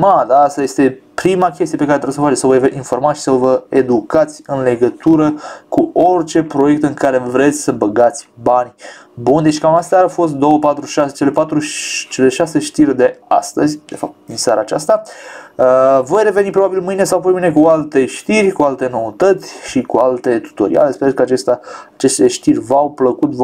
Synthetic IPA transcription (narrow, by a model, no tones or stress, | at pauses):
mad̪aast̪aje̞st̪e̞pɾimakʲe̞st̪ijepekaɾet̪oɾsəfat͡ʃesəvo̞jveʔinfo̞rmaʃi̥səvəed̪ukat̪sʲɨnle̞ɡət̪uɾəkuo̞rt͡ʃe̞pɾo̞je̞k̚t̪ɨŋkaɾe̞vɾe̞t̪sʲsəbəɡat̪sʲbanʲ | bund̪eʃikamast̪aafo̞s̬t̪̚d̪o̞wəpat̪ɾuʃaset͡ʃe̞le̞pat̪ɾuʃt͡ʃe̞le̞ʃase̞ʃt̪irʲd̪e̞a̰st̪əzʲd̪e̞fap̚t̪̚d̪insaɾaːt͡ʃast̪aəvo̞jre̞ve̞nipɾo̞babilmɨjne̞sawapo̞jmɨjnekualt̪e̞ʃt̪irʲkualt̪e̞no̞ut̪ət̪sʲʃikualt̪e̞t̪u̥t̪o̞̰ɾḭa̰le̞speekəat͡ʃest̪aːt͡ʃe̞st̪eʃt̪irʲvawpləkut̪v